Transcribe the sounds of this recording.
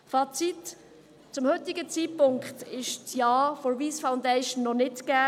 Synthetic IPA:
fɑːt͡sit | t͡sʊmhɵt̪ɪɡət͡siːpʊŋkχtɪʃt͡sjɑːfɔviːsfaʊndɛɪʃn̩ːɔnɪtɡ̥æː

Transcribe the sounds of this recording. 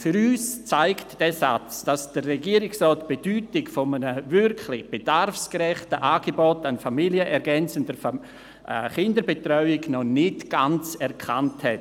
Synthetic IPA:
fyɾyːst͡saɪktd̥ɛsat͡sd̥asd̥əreɡiəɾɪksrɔːtb̥edyːtɪkfɔmənəvʏɾkʰlɪχb̥edarfskɾɛχtəʔaːɡebɔtanfamiljəʔɛɾɡɛnt͡səndəf | ɛχɪndəɾbetrœʏɪɡnɔnɪtɡ̥ant͡sɛɾkʰanthɛt

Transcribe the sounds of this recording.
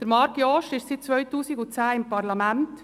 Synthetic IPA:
d̪̥əɾmɑɾkjɔːʃɪʃtsɪt̪̚t͡sʋœʏtuːsɪɡʊt͡sæːɪmpɑɾlɑmænt

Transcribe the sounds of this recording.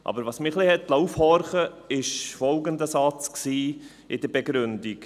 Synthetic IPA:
ʔɑ̰bəɾʋɑːsmɪχlɪhɛtlawfhɔɾχəɪʃfɔlɡəndəsɑt͡sksiː | ɪdəɾbeɡɾʏndik

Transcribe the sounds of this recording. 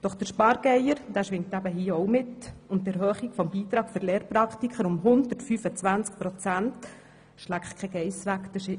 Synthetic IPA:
d̥ɔχd̥əɾʃpɑɾɡ̥ɛjəɾd̥æːʃʋɪŋtæbəɦiːəɔwmɪtʊnttːɛɾɦœːχiɡfɔmbiːt̪ɾɑːkfʏɾleːɾpɾɑkχt̪ikχəɾʊmɦʊnd̪ətfyːfət͡sʋænt͡sk̚pɾɔt͡sænt | ʃlækχkʰɛɡɛɪsʋækd̥̪əʃɪ

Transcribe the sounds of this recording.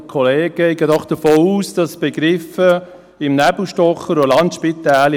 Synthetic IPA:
kʰɔleːɡ̥ɛɪɡədɔχd̥̪əfoːuːsd̥ɑsb̥ɛɡɾɪfə | ɪmnæbl̩ʃtɔχəɾolɑnt̪ʃpit̪æːl

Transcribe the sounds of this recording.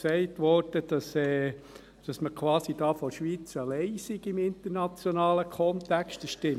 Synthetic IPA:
sɛɪtʋɔɾd̥əd̥ɑsɛː | d̥ɑsməkʰwɑːsid̥ɑːfɔʃʋiːt͡səlɛɪsiɡɪmɪntəɾnɑt͡sjɔnɑːləkʰɔnt̪ɛkstəʃtɪm

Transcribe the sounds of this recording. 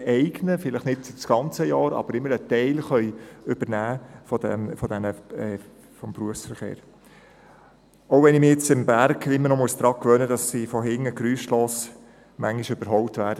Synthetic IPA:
ɛɪɡnəfɪləχnɪtsit͡sɡ̥ɑnt͡səjɑːɾɑ̰b̥əɾɪmːəɾət̪ɛɪlχœʏʏb̥əɾnæːfɔdɛ̰mfɔd̥ɛnəɛ | fɔmpɾuəfsfəɾχḛːɾ | oʊʋɛnɪmɪjɛt͡sɪmbæɾɡɪmːənɔmɔlsd̥̪ɾɑkkʋœnəd̥ɑsːifɔɦɪŋəkɾyːsʃlɔs | mæŋiʃʏb̥əɾɦɔwtʋæːɾdə

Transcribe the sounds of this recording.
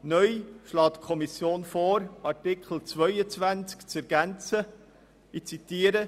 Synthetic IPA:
nœjʃlɑːtkʰɔmisjoːnfɔːɾɑɾtɪkχl̩t͡svœʏət͡sʋænt͡skt͡sɛɾɡ̥ænt͡sə | it͡sit̪iːəɾə

